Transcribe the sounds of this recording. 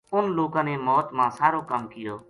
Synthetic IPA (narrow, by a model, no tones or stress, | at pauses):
ʊnloːkãːneːmɔːt̪mãːsaːɾoːkəmkɪjoː